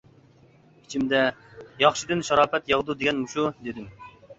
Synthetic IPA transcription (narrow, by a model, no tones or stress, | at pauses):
i̥t͡ʃʰimd̪ɛjɑχʃid̪ɨnʃɑɾɑːpɛt̪jɑʁd̪ud̪eɡʲɛnmuʃud̪ed̪ɪm